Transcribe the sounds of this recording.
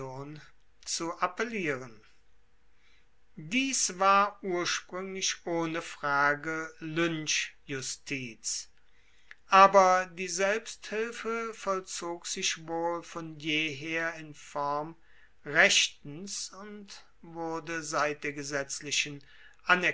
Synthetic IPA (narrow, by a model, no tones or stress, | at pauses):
oːn | t͡suʔapeliːʁən | diːsvaːɐʔuːɐʃpʁ̥ʏŋlɪʃʔoːnəfʁ̥aːɡəlʏnʃjʊstʰiːt͡s | ʔaːbɐdiːzɛlpsthɪlfəfɔlt͡soːkz̥ɪʃvoːlfɔnjeːɦeːɐɪnfɔʁɐm | ʁɛʃtn̩sʊnt | vʊɐdəzaɪt̚d̥eːɐɡəzɛt͡slɪʃən | ʔanɛɐ